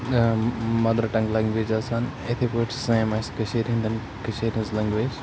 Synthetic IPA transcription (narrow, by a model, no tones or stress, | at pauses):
mɐd̪əɾʈɐ̃ŋɡlɐ̃ŋɡʋeːd͡ʒaːsaːnet̪ʰepoɪʈʰsãmɐskəʃʰeːɾɦĩːnd̪ʱən | kəʃʰeːɾɦɪ̃zlɐ̃ŋɡʋeːd͡ʒ